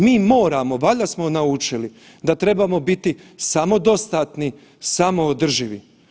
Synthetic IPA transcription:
miːmo̞ːɾamoʋaʎasmonaut͡ʃili | d̪at̪ɾe̞bamo̞bit̪isamo̞d̪o̞st̪aːt̪ni | samo̞ːd̪r̩ʒiʋi

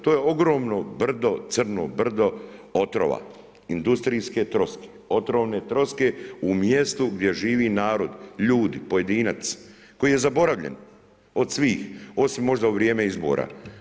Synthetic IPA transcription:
t̪oje̞o̞ɡɾo̞ːmnobr̩d̪o̞t̪sr̩no̰br̩d̪o̞ot̪ɾo̰ʋa̰ | ind̪ust̪ɾijske̞t̪ɾo̞ske̥o̞t̪ɾoʋne̞t̪ɾo̞ske̞umje̞st̪uɡd̪je̞ʒiːʋinaːɾo̞d̪ʎuːd̪ipo̞je̞d̪inat̪s | ko̞jije̞zabo̞ɾaʋʎḛn | o̞d̪sʋiːxo̞simːo̞ʒd̪auʋɾjeːmeizbo̰ːɾʔa̰

